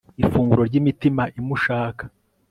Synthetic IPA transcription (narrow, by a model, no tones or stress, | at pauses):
ifuːŋɡuɾo̞ɾɟimitimaʔimuʃaːkḁ